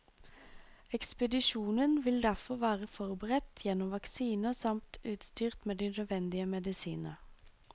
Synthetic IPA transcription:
ɛkspəd̪ɪʃuːnənʋɪld̪æʁfɔʁʋæːʁəfɔʁbəʁɛt̪jɛnːɔmʋɑksiːnəsɑmt̪ʉːt̪st̪yːʁt̪meːd̪ɪnœʋɛnd̪ɪəmɛd̪ɪsḭːnə̰

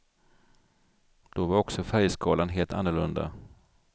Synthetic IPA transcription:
d̪̥ɔvaɾɔksɔfæɾjskɑːlanɦeːlt̪ʰa̰nːʊɭɵnd̪a̰

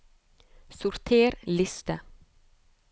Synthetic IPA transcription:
sʊɾt̪ʰeːɾlɪst̪ə

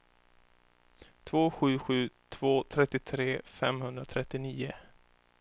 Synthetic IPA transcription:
t̪ʰvoːɧʉ̟ːɧʉ̟ːt̪ʰv̥oːt̪ʰɾɛt̪ːɪt̪ʰɾeːfɛ̰mhɵnd̪ɾat̪ʰɾɛt̪ːɪniːʊ

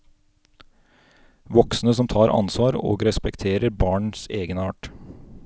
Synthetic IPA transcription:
ʋɔksnəsɔmt̪ʰɑːɾʔɑ̰nsʋɑːɾo̰ːɡɾɛspɛkt̪ʰeːɾəɾbɑːɳseːɡənɑːʈ

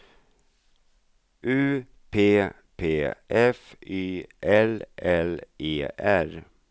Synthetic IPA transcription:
ʔʉː | pʰeː | pʰeːʔɛfyːʔɛlʔɛlʔeːʔæɾ

